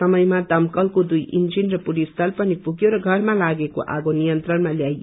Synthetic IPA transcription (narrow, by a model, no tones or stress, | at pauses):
ʌmʌjmad̪ʌmkʌlkod̪ujʔḭnd͡zinrʌpuɽist̪ʌlpʌnipuɡjoɾʌɡʱʌrmalaɡeko̰ʔa̰ɡonijʌnt̪rʌnmaljaj